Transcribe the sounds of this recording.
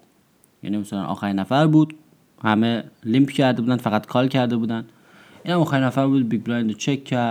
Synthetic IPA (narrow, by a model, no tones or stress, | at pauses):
jæ̰ːnimasælæ̰nʔɒ̰ːxæɾinæfæɾbuːd̪̥ | hæmelimpʰcʰæɾd̪euːd̪ænfæɣæt̪kʰɒːlcʰæɾd̪e̞buːd̪æn | iːnhæmɒːxæɾinæfæɾbuːd̪̚biɡ̚bɾɒjnd̪ot͡ʃʰekʰːæɾ